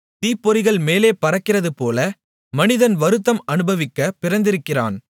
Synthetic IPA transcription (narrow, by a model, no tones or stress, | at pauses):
t̪iːpːɔɾɪɣɐɭmeːleːpɐɾɐkːɪrɐðɯpoːlɐ | mɐnɪðɐnʋɐɾɯt̪ːɐmɐnɯbɐʋɪkːɐpɪɾɐnd̪ɪɾɯkːɪra̰ːn